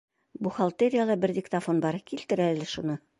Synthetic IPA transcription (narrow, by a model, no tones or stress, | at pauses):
buχɐlˠt̪eɾʲɪjalˠɑbɘɾd̪ʲɪkt̪ɐfonbɑɾkilt̪ɘ̆ɾælɘʃunɤ